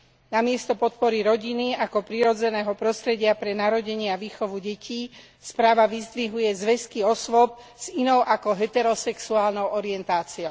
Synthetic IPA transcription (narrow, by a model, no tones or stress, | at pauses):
namɪɛst̪ɔpɔt̪̚pɔɾiɾɔɟiniakɔpɾiɾɔd͡zɛnɛːɦɔpɾɔst̪ɾɛɟɪapɾɛnaɾɔɟɛɲɪaʋiːxɔʋuɟɛcʰiː | spɾaːʋaʋizd̪ʋiɦujɛzʋɛskiɔsʋɔp̚z̥inɔʊʔakɔɦɛt̪ɛɾɔsɛksuaːlnɔʊɔɾiɛnt̪aːt͡siɔʊ